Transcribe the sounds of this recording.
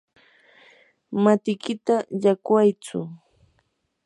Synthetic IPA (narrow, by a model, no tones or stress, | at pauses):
mat̪ɪkɪt̪aʎakwajt͡sʊ̰